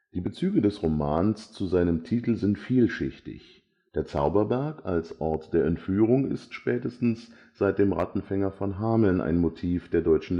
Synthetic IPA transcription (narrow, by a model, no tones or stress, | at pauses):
d̥iːbət͡syːɡədɛsʁomaːnst͡suzaɪnəmtʰiːtl̩zɪntfiːlʃɪçtɪ̰ç | d̥eːɐt͡sa̰ʊbɐbɛɐkalsʔɔɐtd̥eːɐɛntfyːʁ̞ʊŋɪ̰stʃpɛːtəstn̩s | z̥aɪt̚d̥eːmʁa̰tn̩fɛŋɐfɔnɦaːml̩nʔa̰ɪnmotʰiːfd̥eːɐdɔʏt͡ʃn̩